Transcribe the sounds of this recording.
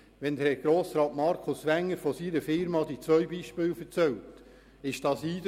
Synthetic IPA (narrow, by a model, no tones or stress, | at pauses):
ʋɛnd̪ɛɡ̥ɾoːsɾɑːtmɑɾkʰʊsʋæŋːəɾfɔsiːɾəfɪɾmɑd̪it͡sʋœɥbiːʃpɪːlfəɾt͡sɛlt | ɪʃd̥ɑːsiːd